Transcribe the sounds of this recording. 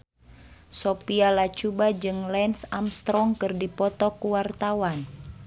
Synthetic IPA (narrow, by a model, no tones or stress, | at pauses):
sɔpialat͡ʃubad͡ʒɨŋlɛnsamst̪ɾɔŋkɨrdipɔt̪ɔkuwart̪awan